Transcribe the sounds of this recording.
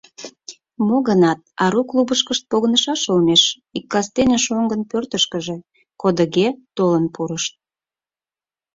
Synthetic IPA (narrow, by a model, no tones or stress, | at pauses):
moɣənɑt̪̚ɑɾuklubəʃkəʃt̪̚poɣənəʃɑʃolneʃ | ikːɑst̪enʲeʃoŋɡənpørt̪əʃkəʒe̽ | kod̪əɣet̪olənpuɾəʃt̪̚